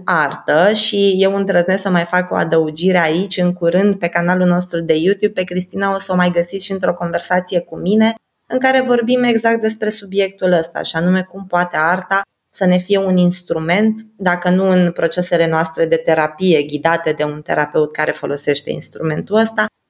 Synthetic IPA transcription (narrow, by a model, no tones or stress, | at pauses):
art̪əʃije̞wɨnd̪ɾəznesəmajfako̞̰a̰d̪əud͡ʒiɾeait͡ʃʲɨŋkuɾɨnd̪̚pe̞kanalulno̞st̪ɾud̪e̞jut̪jub̚pe̞kɾist̪inao̞səomajɡəsit̪ʃiɨnt̪ɾo̞ko̞nve̞rsat̪sije̞kumine̞ | ɨŋkaɾe̞vo̞rbime̞ɡzak̚t̪̚d̪e̞spɾe̞subje̞k̚t̪uləst̪a̰ʃianume̞kumpoat̪e̞art̪a | səne̞fije̞uninst̪ɾume̞nt̪d̪akənuɨnpɾo̞t͡ʃe̞se̞le̞noast̪ɾe̞d̪e̞t̪e̞ɾapije̞ɡʲid̪at̪e̞d̪e̞unt̪e̞̰ɾape̞ut̪̚kaɾe̞fo̞lo̞se̞ʃt̪e̞̰ḭnst̪ɾume̞nt̪uəst̪a